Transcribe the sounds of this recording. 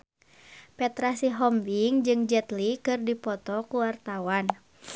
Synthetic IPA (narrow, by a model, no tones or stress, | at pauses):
pɛt̪ɾasiɦɔmbiŋd͡ʒɨŋd͡ʒɛt̪likɨrdipɔt̪ɔkuwart̪awan